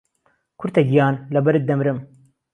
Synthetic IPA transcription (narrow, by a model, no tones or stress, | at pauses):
kʰʊɾt̪ɐɡijaːnlɐbɐɾɨd̪ɐmɾɨm